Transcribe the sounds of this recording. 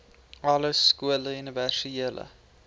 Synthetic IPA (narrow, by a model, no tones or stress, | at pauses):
ɐləskuələyniværsieələ̰